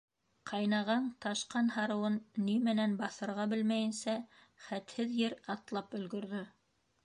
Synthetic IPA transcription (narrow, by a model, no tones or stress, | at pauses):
qʰɑjnɑʁɑnt̪ɑʃqɑnhɑɾɤ̆wɤnːimɘ̆nænbɑθɤ̆ɾʁɑbɘlmæjɘ̆nsæ | χæt̪hɘðjɘɾɑt̪lˠɑpɵ̆lɡɵ̆ɾðɵ